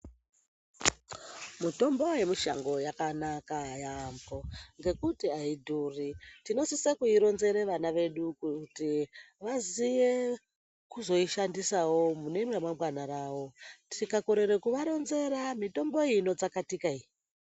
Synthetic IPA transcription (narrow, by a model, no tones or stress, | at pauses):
muto̞mbo̞je̞miʃa̰ŋɡo̞jakanakajaːmbo̞ŋɡe̞kutiaidʱuːritino̞sisekuiɾo̞nze̞ɾeʋanaʋe̞ɗukutiʋazije | kuzo̞iʃandisawo̞mune̞mramamwanaɾaːwo̞tʰikako̞ɾe̞ɾe̞kuʋaɾo̞nze̞ɾamito̞mbo̞ino̞d͡zakatikai